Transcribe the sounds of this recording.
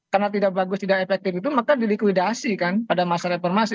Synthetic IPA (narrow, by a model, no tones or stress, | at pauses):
karnat̪̬idak̚baɡʊst̪idakefɛk̚t̪ɪfit̪̬umakadilikwidasikanpadamasaɾefɔrmasi